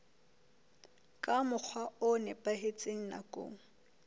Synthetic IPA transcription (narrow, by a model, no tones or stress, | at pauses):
kʼamʊk͡xʰwaʊnɛpʼaɦet͡sʼeŋ̩na̰kʼo̰ːŋ̩